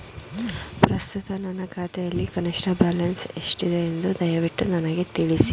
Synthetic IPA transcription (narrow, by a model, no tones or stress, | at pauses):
pɾɐst̪ut̪ɐnɐnːɐkʰaːt̪ɛjɐlːikɐneʂʈɐbaːlɐnse̞ʂʈid̪eːnd̪ud̪ɐjɐʋiʈːunɐnɐɡet̪iɭisi̥